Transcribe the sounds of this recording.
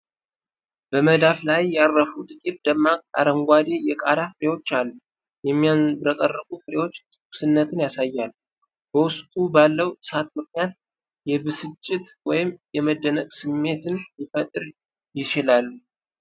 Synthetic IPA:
b̥əməd̪aflajːarːəfut̪ʼɨkʼit̪̚d̪əmːaa̰ɾəŋɡʷad̪e̞jɛkʼa̰d̪afɨɾe̞wo̞t͡ʃːalːu | jɛmːijanbɾək̪ʼərːəkʼufɨɾe̞wo̞t͡ʃːʼ | usɨnːət̪ʰɨnjasajːalːu | bəwʊst̪ʼubalːəwɨsat̪mɨknijat̪̚ | jɛbɨsɨt͡ʃʼːɪt̪wɔjɪmjɛməd̪ːənəɡʼsɨmːe̞t̪ʰɨnjifət̪ʼɨɾ | jɪt͡ʃɪlalːu

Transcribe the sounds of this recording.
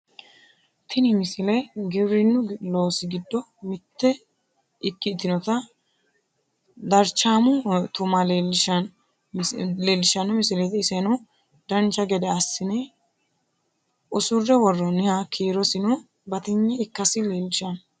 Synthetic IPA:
t̪ʰɪnɪmɪsɪlɛɡɛβɾɪnːʊloːsɪɡɪd̪ːɔ | mɪt̪ːɛ | ɪkːɪt̪ːɪnɔt̪ɐ | d̪ɐɾt͡ʃːaːmʊt̪ʊmɐleɪʃɐn | leːlːɪʃɐnɔmɪsɪlet̪ɪːsɛnɔ | d̪ɐnt͡ʃːɐɡɛd̪ɛɐsːɪnɛ | ʔʊsʊrːɛwɔrːɔnɪhakʰiːɾɔsɪnɔ | bɐt̪ɪɲːɛɪkːɐsɪleːlːɪʃɐn

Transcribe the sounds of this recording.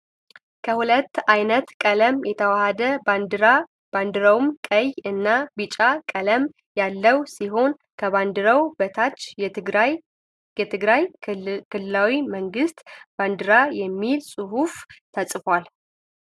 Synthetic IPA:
kʰəhulət̪ːajnət̪kʼələmjɛt̪ʰəwahad̪əand̪ɨɾa | b̥and̪ɨɾəwumkʼəjɨnːabɨt͡ʃʼakʼələm | jalːəwsiɦo̞n | kʰəβand̪ɨɾəwbət̪ʰat͡ʃː | ɛt̪ʰɨɡɾajkʰɨlːɨlawiməŋɡɨst̪b̥and̪ɨɾajɛmːilsʼɨɦuft̪ʰəsʼfwal

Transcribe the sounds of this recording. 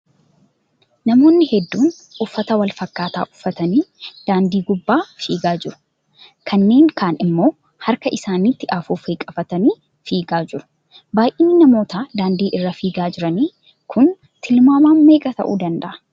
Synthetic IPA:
nɐmo̞ːnːɪhɛd̪ːuːn | ʊfːɐt̪ɐwɐlfɐkːaːt̪a̰ːʔʊ̥fːɐt̪ɐniːd̪̥aːnd̪iːɡʊbːaːfiːɡaːd͡ʒɪɾʊ̥ | kʰɐnːe̞ːŋkaːnɪmːo̞ː | hɐɾkɐʔɪsaːniːt̪ːɪʔaːfuːfeːkʼːɐfɐt̪ɐniː | fiːɡaːd͡ʒɪɾʊ̥ | baːjʔɪːnːɪnɐmo̞ːt̪aːd̪aːnd̪iːʔɪrːɐfiːɡaːd͡ʒɪɾɐniː | kʰʊn | t̪ʰɪlmaːmaːnme̞ːkʼɐt̪ɐ̰ʔṵːd̪ɐnd̪ɐ̰ʔɐ̥

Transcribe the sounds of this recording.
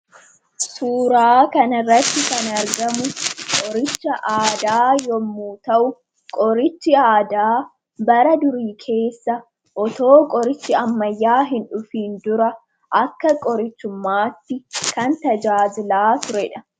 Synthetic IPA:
suːɾaːkɐnɪrːɐt̪ːɪkɐnɐɾɡɐmʊkʼɔɾɪt͡ʃːɐʔaːd̪aːjɔmːuːt̪ɐʔʊ | kʼɔɾɪt͡ʃːɪaːd̪aː | bɐɾɐd̪ʊɾiːkʰe̞ːsːɐ | ʔɔt̪o̞ːkʼɔɾɪt͡ʃːɪɐmːɐjːaːɦɪnᶑʊfiːnd̪ʊɾɐ | ʔɐkːɐkʼɔɾɪt͡ʃːʊmːaːt̪ːɪkɐnt̪ɐd͡ʒaːd͡ʒɪlaːt̪ʊɾɛᶑɐ

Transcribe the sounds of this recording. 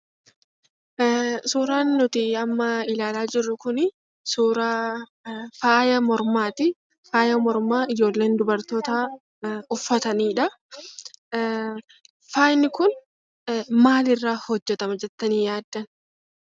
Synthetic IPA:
suːɾaːnːʊt̪ɪɐmːɐɪlaːlaːd͡ʒɪrːʊkʊnɪ | suːɾaː | faːjɐmɔɾmaːt̪ɪ | faːjɐmɔɾmaːɪd͡ʒo̞ːlːe̞ːnd̪ʊbɐɾt̪oːt̪aː | ʊfːɐt̪ɐniːᶑɐ | faːjnɪkʊn | maːlɪrːaːhɔd͡ʒːɛt̪ɐmɐd͡ʒɛt̪ːɐniːjaːd̪ːɐn

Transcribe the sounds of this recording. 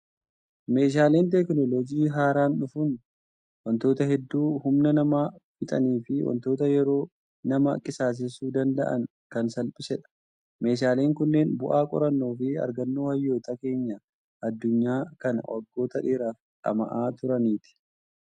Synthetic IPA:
me̞ːʃaːle̞ːnt̪ɛknɔloːd͡ʒiːɦaːɾaːnᶑʊfʊn | wɐnt̪o̞ːt̪ɐhɛd̪ːuːhʊmnɐnɐmaːbɪt̪ʼɐniːfɪwɐ̰nt̪o̞ːt̪ɐjɛɾo̞ː | nɐmɐkʼɪsaːs̬ɪsuːd̪ɐnd̪ɐ̰ʔɐ̰n | kɐnsɐlpʼɪsɛᶑɐ̥ | me̞ːʃ̬aːle̞ːŋkʊnːe̞ːnbʊʔaːkʼɔ̰ɾɐnːoːfɪɐ̰ɾɡɐnːoːhɐjːo̞ːt̪ɐke̞ːɲːɐ | ʔɐd̪ːʊɲːaːkɐnwɔ̰ɾɡːo̞ːt̪ɐᶑeːɾaːfᶑɐ̰mɐ̰ʔaːt̪ʊɾɐniːt̪ɪ̥

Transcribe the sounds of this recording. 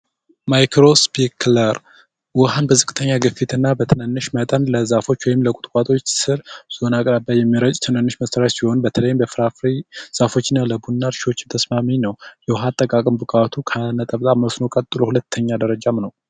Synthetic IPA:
majkʰɾo̞spʰikʰləɾ | wɔɦanbəzɨkʼɨt̪ʰəɲːaɡɨfit̪ʰɨnːabət̪ʰɨnənːɨʃmət̪ʼənləzafo̞t͡ʃːwɔjɪmləkʼʊ̥t̪ʼkʼat̪ʼo̞t͡ʃːsɨɾz̥o̞nakʼɾabajɛmːiɾət͡ʃʼt̪ʰɨnənːɨʃməsəɾasiho̞nbət̪ʰələjːɪmbəfɾafɾiz̥afo̞t͡ʃːɪnːaləbunːaɾʃiwot͡ʃːɪnt̪ʰəsmaminəwjɛwɦat̪ʼːəkʼakʼɨmbɨkʼat̪ʰukʰənət̪ʼəβt̪ʼaməsno̞kʼət̪ʼːɨlo̞hulət̪ʰːəɲːad̪əɾəd͡ʒamnəw

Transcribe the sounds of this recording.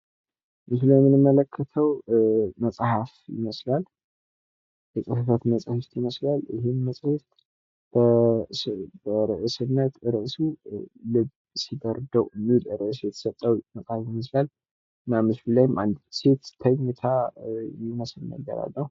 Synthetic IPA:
mɨsɨlajmːɨnɨmːələkʰːət̪ʰəwməsʼhafjɪ̰məslal | jəkʼɨfəfət̪mət͡sʼhɨft̪jɪməslalʔɨɦenməsʼhɨft̪ | b̥ə | bəɾɨʔɨsɨnːət̪ɨɾɨʔsulɨb | sib̪əɾd̪əwɨnːɨlɨɾɨʔɨs̬jɛt̪ʰə̥sət̪ʼːəwməsʼhafjɪməs̬lal | ɨnːamɨsbɨlajmʔand̪se̞t̪t̪ʰːəɲːɨt̪ʰajɪməslnə̰lɡːə̰ɾa̰lːəh

